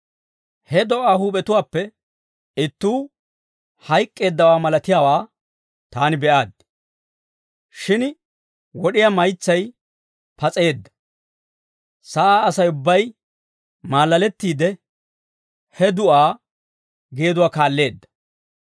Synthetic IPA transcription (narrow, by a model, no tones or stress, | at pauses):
hɛd̪ɔʔaːhuːpʼɛt̪ʊwaːpːɛ | ɪt̪ːuː | hɐjkʼːe̞ːd̪ːɐwaːmɐlɐt̪ɪjaːwaː | t̪aːnɪbɛʔaːd̪ | ʃɪn | wɔɗɪjamɐjt͡sːɐj | pɐt͡sʼe̞ːd̪ːɐ̥ | sɐʔaːɐsɐjʊbːɐj | maːlːɐlɛt̪ːiːd̪ɛ | hɛd̪ʊʔaː | ɡe̞ːd̪ʊwaːkaːlːe̞ːd̪ːɐ̥